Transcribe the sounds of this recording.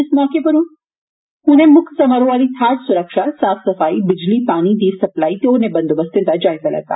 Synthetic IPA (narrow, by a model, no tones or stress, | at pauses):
ɪsmɔːkepɐɾũn | ɦũnẽmʊkʰsɐməɾõʋaːlit̪ʰaːɾsʊɾəkʃasaːfʰsɐfaːibɪd͡ʒlipaːñid̪iːsɐplaːit̪eonebɐnd̪obəst̪ɪt̪ad͡ʒaːɦizɐlɐ̰t̪a̰ː